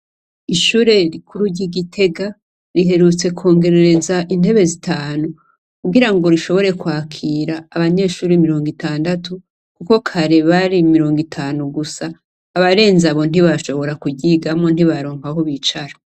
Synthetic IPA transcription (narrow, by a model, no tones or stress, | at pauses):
iʃuːɾe̞ɾikʰuɾuɾɟiɡitʰe̞ɡa | ɾiɦe̞ɾut͡se̞kʰo̞ːŋɡe̞ɾe̞ɾe̞zaʔinhe̞βe̞zitaːnu | kuɡiɾaŋɡo̞ɾiʃo̞βo̞ɾe̞kwaːkʰiːɾaːβaɲe̞ːʃuːɾemiɾo̞ːŋɡitaːndatʰu | kuko̞kʰaɾeβaɾimiɾo̞ːŋɡitʰaːnuɡusaː | βaɾe̞ːnzaβo̞n̥iβaʃo̞βo̞ɾakuɟiɡamŋo̞n̥iβaɾoːŋahoβit͡ʃaɾa